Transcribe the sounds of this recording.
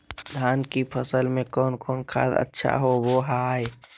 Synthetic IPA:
d̪ʱaːnkipʰəsəlmẽkɔːnkɔːnkʰa̰ːd̪ə̰tːʃʰa̰ɦowoɦaːe

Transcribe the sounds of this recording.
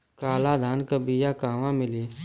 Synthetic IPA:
kaːlad̪ʱaːnkəbijakaːʋãmɪliː

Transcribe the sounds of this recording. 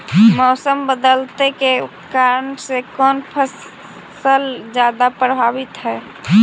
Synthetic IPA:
mɔːsəmbəd̪əlt̪eke | kaɾəɳsekɔnpʰəs | səld͡ʒjad̪apɾəbʱabit̪ɦɛː

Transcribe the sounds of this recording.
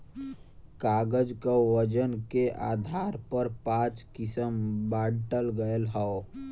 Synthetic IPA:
kaːɡəd͡ʒkawəd͡ʒənkeʔa̰ːd̪ʱaːɾpəɾpãt͡ʃkɪsəmbaːɽʈəlɡəelɦəo

